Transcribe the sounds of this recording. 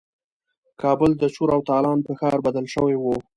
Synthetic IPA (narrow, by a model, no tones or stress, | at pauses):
kɑbəld̪ət͡ʃuɾawt̪ɑlɑnpəxɑɾbad̪əlʃəwewo